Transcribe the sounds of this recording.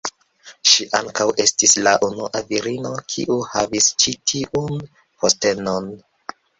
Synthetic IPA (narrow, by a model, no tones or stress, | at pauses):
ʃiʔaŋkawʔe̞stislaʔunuʔaviɾino̞kʰḭʔuhavist͡ʃitʰiʔun | pʰoste̞no̞n